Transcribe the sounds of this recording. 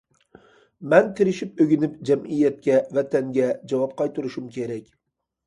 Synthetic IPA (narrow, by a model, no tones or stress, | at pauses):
mɛnt̪ʰɪɾɪʃɪpɵɡʲɪnɪpd͡ʒæmɪjɛt̪̚kʲɛvæt̪ʰæŋɡʲɛd͡ʒɑwɑp̚qʰɑjt̪uɾʊʃumkʲʰeɾɛkʲ